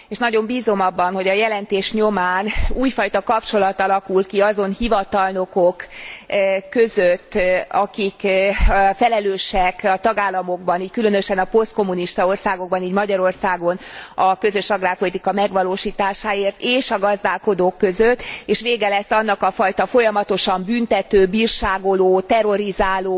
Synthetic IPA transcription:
eːʃnɒɟo̞mbiːzo̞mɒbːɒnɦo̞ɟɒjɛlɛnt̪eːʃɲomaːnuːjfɒjt̪ɒkɒpt͡ʃo̞lɒt̪ɒlɒkulkiɒzo̞nhivɒt̪ɒlno̞kokː | ø̞zøt̪ːɒkik | fɛlɛløːʃɛkɒt̪ɒɡaːlːɒmo̞ɡ̚bɒniːckylø̞nøʃɛnɒpo̞st̪ko̞mːuniʃt̪ɒo̞rsaːɡo̞ɡ̚bɒniːɟmɒɟɒɾo̞rsaːɡo̞nɒkø̞zø̞ʃɒɡraːrpo̞lit̪ikɒmɛɡʋɒloːʃiːt̪aːʃaːeːrt̪eːʃɒɡɒzd̪aːlko̞d̪oːkːø̞zøt̪ːeːʃʋeːɡɛlɛst̪ːɒn̪ːɒkɒfɒjt̪ɒfo̞jɒmɒt̪o̞ʃɒmbynt̪ɛt̪øːbiːrʃaːɡo̞loːt̪ɛɾo̞ɾizaːloː

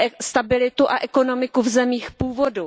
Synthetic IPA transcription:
st̪abɪlɪt̪uʔaʔɛko̞no̞mɪkuvzɛmiːxpuːvo̞du

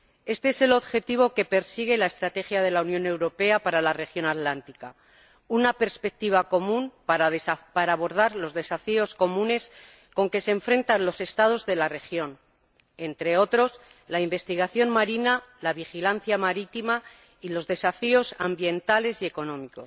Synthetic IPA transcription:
e̞st̪eese̞lo̞ðxe̞t̪iβ̞o̞ke̞pe̞ɾsiɣ̞e̞lae̞st̪ɾat̪e̞xjað̞e̞launjõ̞ne̞wɾo̞pe̞apaɾalare̞xjo̞nat̪lant̪ika | unape̞ɾspe̞k̚t̪iβ̞ako̞mũnppaɾaːβo̞ɾð̞aɾlo̞zðe̞safio̞sko̞mũne̞s | ko̞ŋke̞seɱfɾe̞nt̪anlo̞se̞st̪að̞o̞zðe̞lare̞xjo̞n | e̞nt̪ɾe̞o̞t̪ɾo̞s | laimbe̞st̪iɣ̞aθjo̞nmaɾinalaβ̞ixilanθjamaɾit̪ima | ilo̞zðe̞safio̞sambje̞nt̪ale̞sie̞ko̞nõ̞miko̞s

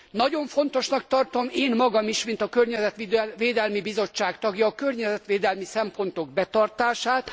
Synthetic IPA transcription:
nɒɟo̞ɱfo̞nt̪o̞ʃnɒk̚t̪ɒrt̪o̞meːnmɒɡɒmiʃmint̪ɒkørɲɛzɛt̪iʋeːd̪ɛlmibizo̞t͡ʃːaːkt̪ɒɡjɒːkørɲɛzɛt̪ʋeːd̪ɛlmisɛmpo̞nt̪o̞ɡ̚bɛt̪ɒrt̪aːʃaːt̪

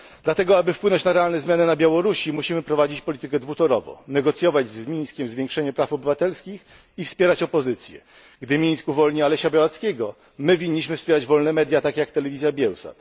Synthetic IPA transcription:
d̪lat̪ɛɡɔabɘfpwɘnɔɲt͡ɕnaɾɛalnɛzmjanɛnabʲjawɔɾuɕimuɕimɘpɾɔvad͡ʑit͡ɕpɔlʲit̪ɘkɛd̪vut̪ɔɾɔvɔ̰̃nɛɡɔt̪sʲjɔvad͡ʑzmʲij̃skʲɛmzvʲjɛŋkʂɛɲɛpɾafɔbɘvat̪ɛlskʲix | ifspʲjɛɾat͡ɕɔpɔzɘt̪sʲjɛ̰ | ɡd̪ɘmʲij̃skuvɔlɲialɛɕabʲjawat̪skʲɛɡɔ | mɘvʲiɲːiɕ̬mɘfspʲɛɾad͡ʑvɔlnɛmɛd̪ʲjat̪akʲejakt̪ɛlɛvʲizʲjabʲjɛwsa̰t̪

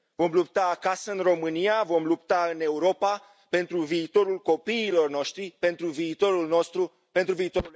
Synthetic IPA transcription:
vo̞mlup̚t̪aːkasəɨnro̞mɨniavo̞mlupt̪aɨne̞uɾo̞pa | pe̞nt̪ɾuviːt̪o̞ɾulko̞piːlo̞rno̞ʃt̪ɾipe̞nt̪ɾuviːt̪o̞ɾulno̞st̪ɾu | pe̞nt̪ɾuviːt̪o̞u

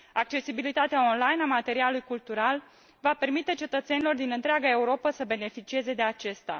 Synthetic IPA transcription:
ak̚t͡ʃe̞sibilit̪at̪eao̞nlajnamat̪e̞ɾialujkult̪uɾal | vape̞rmit̪e̞t͡ʃe̞t̪ət̪se̞nilo̞rd̪inɨnt̪ɾeaɡae̞uɾo̞pəsəbe̞ne̞fit͡ʃie̞ze̞d̪e̞at͡ʃe̞st̪a̰

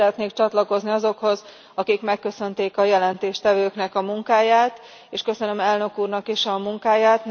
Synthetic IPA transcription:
ɾɛt̪neːkt͡ʃɒt̪lɒko̞zniɒzo̞kho̞z | ɒkikmɛkːø̞sø̞nt̪eːkɒjɛlɛnt̪eːʃt̪ɛvøːknɛkɒmuŋkaːjaːt̪ | eːʃkø̞sø̞nø̞mɛlnø̞kuːrnɒkeːʃɒmuŋkaːjaːt̪

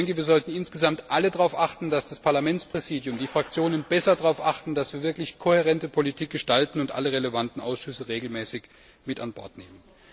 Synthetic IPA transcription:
ɛŋkəviːɐzɔltn̩ɪnsɡ̥əzamtʔalədʁaʊfʔaχtn̩d̥asd̥aspʰaɐlamɛnt͡spʁ̥ɛziːdjʊmdiːfʁ̥ak̚t͡sjoːnənbɛsɐdʁaʊfʔaχtn̩dasv̥iːɐvɪɐklɪçkʰoheʁɛntəpʰolitʰiːk̚ɡ̥əʃtaltn̩ʊntʔa̰ləʁeləvantn̩ʔa̰ʊsʃʏsəʁeːɡl̩mɛːsɪç | mɪtanbɔɐtneːmən

